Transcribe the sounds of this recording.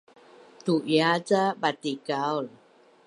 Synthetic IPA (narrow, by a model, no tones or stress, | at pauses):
t̪uʔjat͡sabat̪ikawl